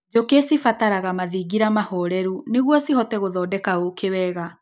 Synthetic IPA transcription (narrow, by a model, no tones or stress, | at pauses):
d͡ʒokesifataɾaɣamaðiɡiɾamahɔɾɛɾuneɣwɔsihɔtɛɣoðɔːdɛkaokewɛːɣa